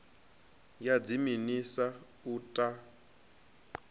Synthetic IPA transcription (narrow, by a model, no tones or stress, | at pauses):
jad͡ziminisa | utʼa